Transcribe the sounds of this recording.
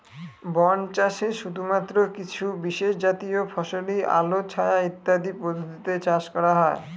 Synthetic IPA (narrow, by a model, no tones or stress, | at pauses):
bɔnt͡ɕaʃeʃud̪ʱumat̪ːɾokit͡ɕʰubiʃeʃd͡ʑat̪iofʰɔʃoliʔa̰lot͡ɕʰaeait̪ːad̪ipɾod̪ʱot̪it̪et͡ɕaʃkɔɾaɦɔe